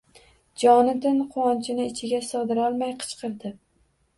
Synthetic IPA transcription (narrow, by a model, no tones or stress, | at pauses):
d͡ʒɒnɪd̪ɪnqʰʊwɒnt͡ʃʰɪnɪɪt͡ʃʰɪɡʲasɨʁd̪ɪɾɒlˠmajqʰɨ̥t͡ʃqɨɾd̪ɪ